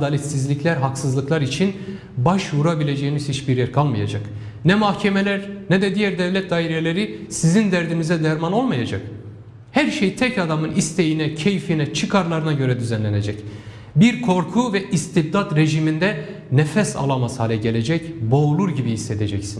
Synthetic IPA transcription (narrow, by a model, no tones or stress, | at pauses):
d̪alʲɛt̪sizlʲiclʲæɾɦaksɯzlˠɯklˠaɾit͡ʃʰin | baʃvuɾabilʲe̞d͡ʒejimizhit͡ʃbiɾjɛɾkʰalˠmaja̰d͡ʒa̰k | nɛmahcʰemelʲæɾnɛd̪ɛd̪ijæɾd̪ɛvlʲɛt̪̚d̪aːɦiɾelʲe̞ɾisizind̪æɾd̪inizɛd̪æɾmano̞lˠmajad͡ʒa̰k̚ | hæɾʃejt̪ʰɛcad̪amɯnist̪ʰe̞jinɛcʰejfinɛt͡ʃʰɯkʰaɾlˠaɾɯnaɟø̞ɾɛd̪yzænlʲene̞d͡ʒɛc | biɾkʰo̞ɾkʰuvɛʔist̪ʰib̚d̪at̪ɾe̞ʒimind̪ɛ | nɛfɛsa̰lˠamashaːlʲɛɟe̞lʲe̞d͡ʒɛcbo̞ːlˠuɾɟibiisːet̪ʰed͡ʒɛcsin